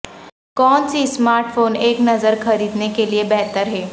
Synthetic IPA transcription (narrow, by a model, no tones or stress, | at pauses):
kɔːnsismaːɾʈfoːneːknɐzəɾxɐɾiːd̪nekeliebɛɦt̪əɾɦɛː